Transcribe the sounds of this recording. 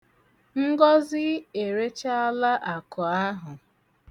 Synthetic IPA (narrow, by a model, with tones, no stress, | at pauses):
ŋ̩˦ɡɔ˦zɪ˦e˨ɾe˦t͡ʃa˦a˦la˦ʔa˨kʊ˨a˦ɦʊ˨